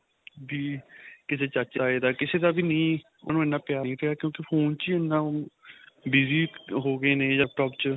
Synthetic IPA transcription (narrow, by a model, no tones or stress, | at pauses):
diːkɪseːt͡ʃət͡ʃaːeːd̪aːkɪseːd̪aːbiːnĩː | o̰ːnũːɪnːãːpɪjaːɾĩːp̪ʰeaːkjõːkɪpʰoːnt͡ʃːenːãː | biːziːɦoːɡeːneːd͡ʒaːk̚ʈɔːpt͡ʃ